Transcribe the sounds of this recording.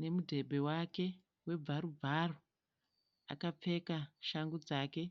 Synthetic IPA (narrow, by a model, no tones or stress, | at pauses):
ne̞mudʱe̞bʱe̞wake̞ | we̞b͡vaɾub͡vʱaro | a̰kap͡fe̞kaʃaŋɡud͡zaːke̞